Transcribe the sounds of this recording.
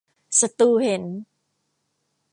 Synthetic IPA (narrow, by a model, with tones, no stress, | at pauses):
sa˧t̪uː˧he˩˦n